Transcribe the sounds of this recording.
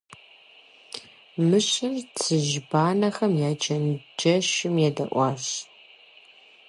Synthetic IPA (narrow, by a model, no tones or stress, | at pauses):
mɨɕɪrt͡sʰɨʒbaːnɐxɐmjaːd͡ʒɐnd͡ʒɐʃɪmjɛdɐ̰ʔʷɑːɕ